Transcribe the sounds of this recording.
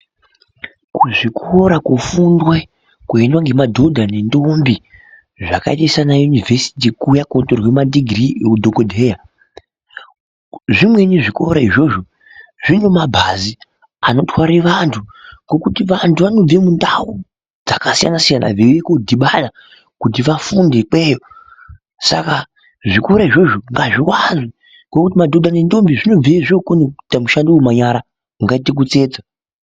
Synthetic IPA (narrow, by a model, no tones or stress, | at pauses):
kuʐikʰoɾakufundwe | kuendwaŋɡe̞madʱo̞dʱanendombi | ʐakaitaisanajunivʱesi̥tikujakondorwe̞madiɡrieudʱokodʱeja | ʐimwe̞niʐikoɾaiʐo̞ʐo̞ | ʐino̞mabʱazi | ano̞tʰwaɾiʋantʰuŋɡo̞kutiʋantuʋano̞b͡vemundau | d͡zakasija̰nasijana̰ʋeekodʱiɓana | kut̬iʋafundek͡pweːjo | sa̰ka | ʐikoɾaiʐo̞ʐoŋɡaʐiwanʐwi | ŋɡo̞kutimadʱodanendo̞mbiʐino̞b͡vieʐokonekutamuʃandiwemaɲaɾa | uŋɡaitek̬ut͡se̞ːd͡za